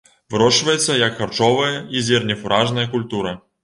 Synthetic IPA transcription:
vɨɾɔʂvɐjɛt̪sːɐjɐkxart͡ʂɔvɐjɐizʲɛrnʲɛfuɾʔaʐnɐjɐkulʲt̪uɾɐ

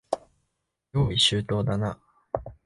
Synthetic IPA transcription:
joːiɕɨːt̪o̞ːd̪ana

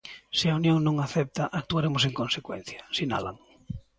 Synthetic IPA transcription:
sɪaunjoŋnõŋaθɛp̚t̪aʔak̚t̪uaɾemoseŋkõnsekwḛ̃n̟θjḁsina̰la̰ŋ

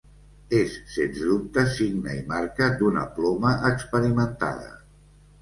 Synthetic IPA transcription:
esːensdup̚t̪əsiɡnəimaɾkəd̪unə̰plɔməʔəkspəɾimənt̪a̰ðə̰

